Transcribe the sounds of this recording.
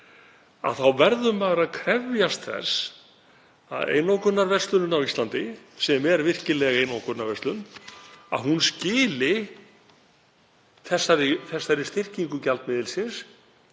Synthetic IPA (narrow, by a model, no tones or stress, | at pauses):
a̰ðθawvɛɾðʏmːaɣaɾaðkʰɾɛvjast̪θɛ̰s | a̰ðḛːjnowkʏt̪nːaɾvɛrst̪lʏnʏnawist̪lant̪ɪsɛmɛɾvɪr̥cɪlɛɣejnowkʏt̪naɾvɛst̪lʏna̰ðɦunscɪːlɪ | θɛsːaɾɪθɛsːaɾɪst̪ɪr̥ciŋkʏcalt̪mɪːðɪlsjɪns